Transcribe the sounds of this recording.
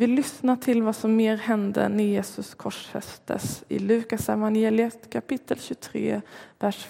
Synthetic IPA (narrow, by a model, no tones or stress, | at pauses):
vɪlʏsnaʈʰɪlvasɔmːeːɾhɛnd̪ə̰ɳɛjeːsɵskʰɔʂhɛ̰st̪ʰə̰sɪ̰lʉ̟ːkasɛvanjeːlɪət̪kʰapɪt̪ʰːəlɕʉt̪ʰɾḛːvæʂ